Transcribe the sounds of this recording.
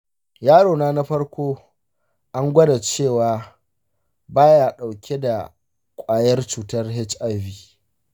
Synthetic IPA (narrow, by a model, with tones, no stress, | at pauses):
jaː˦ɽoː˨naː˦na˦ɸɐ˦rkʷoː˦ | ʔa˦ŋɡʷɐ˦da˨t͡ʃeː˦˨waː˨ | baː˦ja˨ɗa˨wkʲʰe˦da˨ | kʷʼaː˨jɐ˦rt͡ʃuː˦tɐ˦rɦɪ˦t͡ʃʔa˦˨ɸiː˦˨